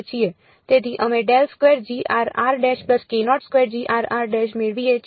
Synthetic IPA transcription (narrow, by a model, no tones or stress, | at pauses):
t͡ʃʰije | t̪eːd̪iʔəmẽɖɛlskweːɾd͡ʒiːʔa̰ːɾa̰ːɾɖɛːʃpləskenɔːʈskʋeːɾd͡ʒiːʔaːɾaːɾɖɛʃmeɾʋie